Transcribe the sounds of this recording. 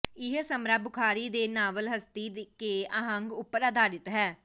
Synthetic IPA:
ɪɦsəmɾaːbʊkʰaːɾiːd̪eːnaːʋəlɦəst̪iːd̪keːəɦə̃ŋɡʊpːəɾaːd̪aːɾɪt̪ɦɛː

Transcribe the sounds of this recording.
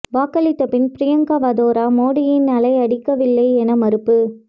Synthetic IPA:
ʋaːkɐlɪt̪ːɐpɪnpɾɪjɐŋɡɐʋɐðoːɾaːmoːɽɪjɪnːɐlɐɪɐɽɪkːɐʋɪlːɐɪɛnɐmɐɾɯpːɯ

